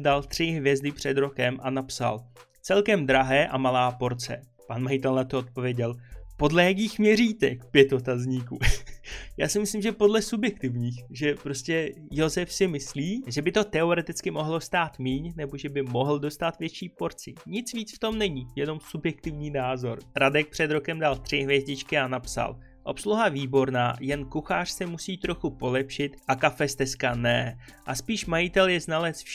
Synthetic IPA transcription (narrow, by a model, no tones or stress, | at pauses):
dalt̪r̝̥ɪɦvjɛzdɪpr̝̥ɛd̪ɾo̞kɛmʔanapsa̰l | t͡sɛlkɛmd̪ɾaɦɛːʔamalaːpo̞ɾt͡sɛ̰ | panmajɪt̪ɛlnat̪oot̪̚po̞vjɛɟɛlpo̞dlɛjak̬iːxmɲɛriːt̪ɛkpjɛt̪o̞t̪azɲiːkṵː | ja̰ːsɪmɪsliːmʒɛpo̞dlɛsubjɛk̚t̪ɪvɲiːxʒɛpɾo̞scɛ | jo̞zɛfsɪmɪsliːʒɛbɪt̪o̞t̪ɛo̞ɾɛt̪ɪt͡skɪmo̞ɦlo̞st̪aːt̪miːɲnɛbo̞ʒɛbɪmo̞ɦl̩do̞st̪at̪vjɛt͡ʃiːpo̞ɾt͡sɪɲɪt͡sviːt͡sft̪o̞mnɛɲijɛno̞msubjɛk̚t̪ɪvɲiːnaːzo̞̰ɾɾadɛk̚pr̝̥ɛd̪ɾo̞kɛmdalt̪r̝̥ɪɦvjɛzɟɪt͡ʃkɪanapsa̰l | ʔo̞psluɦaviːbo̞ɾna̰ːjɛnkuxaːr̝̥sɛmusiːt̪ɾo̞xupo̞lɛpʃɪt̪ʔakafɛst̪ɛskanɛʔaspiːʃmajɪt̪ɛljɛznalɛsf